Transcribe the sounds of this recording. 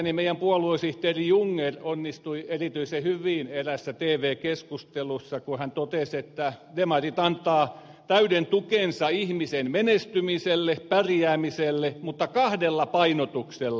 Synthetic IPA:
nimeijˑæmpuɑluoisiht̪eːrijuŋːeronːist̪uierit̪yisehyʋiːneræsːæt̪eːʋeːkeskust̪elusːɑkuhænt̪ot̪eset̪ːædemɑrit̪ɑnt̪ːˑɑː | t̪æydent̪ukensɑihmisenmenest̪ymiselːepærjæːmiselːemut̪ːɑkɑhdelːɑpɑinot̪ukselː

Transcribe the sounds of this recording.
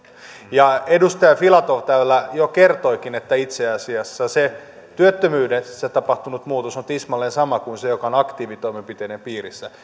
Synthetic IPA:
jɑedust̪ɑjɑfilɑt̪oʋt̪æylːæjokert̪oikinet̪ːæit̪seɑsiɑsːɑse | t̪yøt̪ːømyːdenset̪ɑpɑht̪unut̪muːt̪osonut̪ismɑlːensɑmɑkuinsejokɑonɑkt̪iːʋit̪o̞imempit̪eːnempiːrisːæ

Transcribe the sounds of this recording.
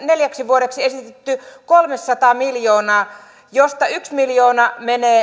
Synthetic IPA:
neljæksiʋuoɾeksiesit̪et̪ːykolmesːɑt̪ɑːmiljoːnɑː | jost̪ɑyksmiljoːnɑmeneː

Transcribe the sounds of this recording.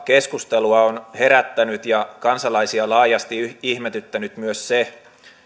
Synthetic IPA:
ke̞skust̪eluɑonhe̞ɾæt̪ːænyt̪jɑkɑnsɑlɑisiɑlɑːjɑst̪iihmet̪yt̪ːænyt̪myøsse

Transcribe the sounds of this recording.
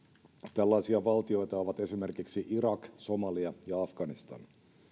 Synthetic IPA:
t̪ælːɑjsiɑʋɑlt̪io̞jt̪ɑo̞ʋɑt̪e̞sime̞rkiksiʔiɾɑkso̞mɑliɑjɑɑfɡ̥ɑnist̪ɑ̰n

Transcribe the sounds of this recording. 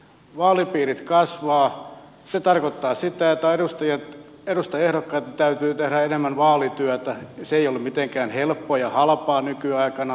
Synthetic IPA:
ʋɑːlipiːrit̪kɑsʋɑː | set̪ɑrkot̪ːɑːsit̪æot̪ːæerust̪ɑjɑt̪ | eɾust̪ɑehɾokːɑit̪ːt̪æyt̪yːt̪ehɾæenemːænʋɑːlit̪yæt̪æseeiolːummit̪eŋkæːnhelpːoːjɑhɑlpɑːnykyɑikɑnɑ

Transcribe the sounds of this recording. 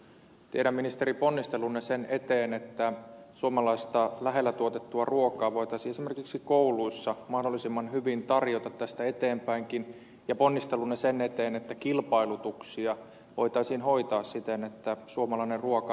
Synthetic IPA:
t̪ieɾæmːinist̪eɾiponːist̪e̞lunːesenet̪eːnet̪ːæsuomɑlɑist̪ɑlæɦelːæt̪uot̪et̪ːuɑruokɑːʋo̞it̪ɑisiːesimerkiksikouluisːɑmɑhdolːisimːɑnɦyʋint̪ɑrjot̪ɑt̪tæst̪æet̪eːmpæiŋkin | jɑponːist̪elːunːesenet̪eːnet̪ːækilpɑilut̪uksiɑ | ʋo̞jt̪ɑisiːnho̞it̪ɑːssit̪enet̪ːæsuomɑlɑinerruokɑ

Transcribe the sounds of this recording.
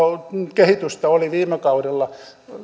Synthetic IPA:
okehit̪yst̪ɑoliʋiːmekɑuɾelːɑ

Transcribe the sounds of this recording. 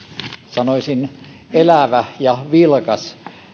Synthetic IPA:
sɑnoisin | elæʋæjɑʋilkɑs

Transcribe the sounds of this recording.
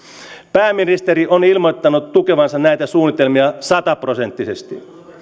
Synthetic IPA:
pæːmːinist̪eɾiʔonilmo̞jt̪ːɑnut̪ːuke̞ʋɑnsɑnnæjt̪æsuːnːit̪e̞lmiɑsɑt̪ɑpro̞se̞nt̪ːise̞st̪ḭ

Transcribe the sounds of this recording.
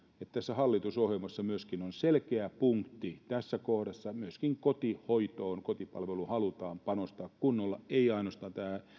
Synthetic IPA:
et̪t̪æsːæhɑlːit̪usohjelmɑsːɑmyøskinonselkeæpuŋkt̪ːit̪æsːækohdɑsːɑmyøskiŋkot̪ihoit̪oːnkot̪ipɑ̰lʋeluhɑlut̪ɑːmpɑnost̪ɑːkkunːolːɑeiɑinost̪ɑːnt̪æː

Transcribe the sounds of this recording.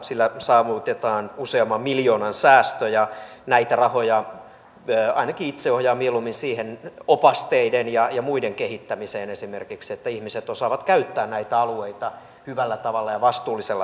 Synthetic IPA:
silːæsɑːʋut̪et̪ɑːnuseɑmːɑmmiljoːnɑnsæːst̪øjɑnæit̪ærɑhojɑ | øːɑ̰inɑkiit̪seohjɑːmielumːinsiːhenopɑst̪eidenjɑjɑmuideŋkehit̪ːæmiseːnesimerkikset̪ːæihmiset̪osɑːʋɑt̪kæyt̪ːæːnnæit̪æɑlueit̪ɑ | hyʋælːæt̪ɑʋɑlːɑjɑʋɑst̪uːlːiselːɑ

